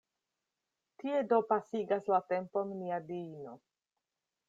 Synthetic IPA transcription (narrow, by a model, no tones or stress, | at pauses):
tie̞do̞pasiɡaslate̞mpo̞nniadino̞